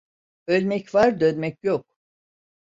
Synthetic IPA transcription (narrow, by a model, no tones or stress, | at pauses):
ø̞lʲmɛcvaɾd̪ønmɛcjok̚